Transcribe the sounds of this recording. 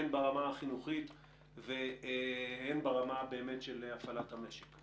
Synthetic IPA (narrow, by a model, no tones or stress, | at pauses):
enbaʁamaaχinuχit̪ | ve | henbaʁamabe̞ːmetʃelafalathame̞ʃek